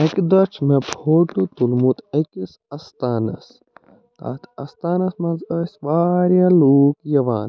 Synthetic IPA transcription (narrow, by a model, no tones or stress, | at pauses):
ɐkd̪ɐt͡ʃʰmebʱʰoːʈut̪ulmut̪ɐkis | ɐst̪aːnɐ̰s | t̪a̰ːt̪ʰɐst̪aːnɐsmɐ̃nzəsʲʋaːɾjaluːkjɐʋa̰ːn